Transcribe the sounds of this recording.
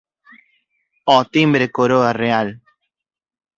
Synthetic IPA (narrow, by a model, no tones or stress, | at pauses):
ɔt̪imbɾekoɾoareal